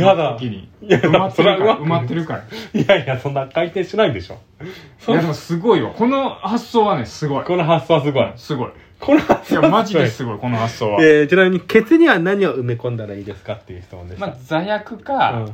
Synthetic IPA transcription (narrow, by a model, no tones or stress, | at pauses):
ad̪akʲiɲḭjad̪aasoɾeaɯmaɯmat̪ːeɾɯkaɾjajasõ̞nːakait̪ẽ̞ɕinaid̪e̞ɕo̞̰ː | soad̪msɨɡo̞ijako̞no̞hasːo̞ːβanesɨɡo̞iko̞noɦasːoːβas̬ɨɡo̞isɨɡo̞i | kʰo̞nohasojamaʑisɨɡoikonohasːoːβaet͡ɕinamʲiɲ̟ike̞t͡sɨɲ̟iβanaɲ̟ioɯmekõ̞nd̪aɾaiːd̪e̞sɨ̥kat̪ːe̞jɯ̟çi̥t̪o̞nã̰nd̪emad͡zajakɯ̟kaɯ̃ː